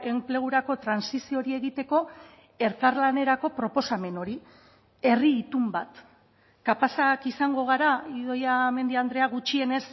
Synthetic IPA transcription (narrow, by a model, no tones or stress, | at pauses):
e̞mple̞ɣ̞uɾako̞t̪ɾansisio̞ɾie̞ɣit̪e̞ko̞ | e̞ɾkaɾlane̞ɾako̞pɾo̞po̞same̞no̞ɾi | e̞riːt̪umbat̪ | kapasakisaŋɡo̞ɣ̞aɾaiðo̞jame̞nd̪iand̪ɾe̞aɣut͡ʃie̞ne̞s